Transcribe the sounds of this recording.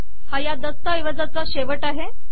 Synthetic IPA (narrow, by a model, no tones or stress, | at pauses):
hajad̪əst̪əiʋəd͡zat͡saɕeʋəʈaɦe